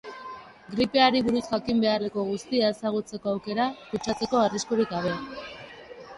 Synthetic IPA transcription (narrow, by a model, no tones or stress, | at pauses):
ɡɾipe̞aɾiβuɾusʝakimbe̞areko̞ɣ̞ust̪ieːsaɣ̞ut͡se̞ko̞awke̞ɾakut͡ʃat͡se̞ko̞ariskoɾikɡaβ̞e̞